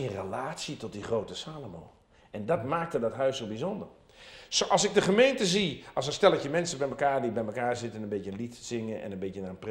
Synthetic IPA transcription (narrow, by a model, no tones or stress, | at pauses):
ɪnrəlaːtsitɔt̚diχroːtəsaːlomo̰ː | ʔɛndɔtmaːk̚tədɔtɦœɥsːoːbizondər | soʔɔlˠsɪɡ̚dəχəmeːntəziʔɔsəstɛlˠətjəmɛnsəbɛjməkaːrdibɛjməkaːɹzɪtənənbetjəlitsɪŋəʔɛ̰nənbetjənaənpr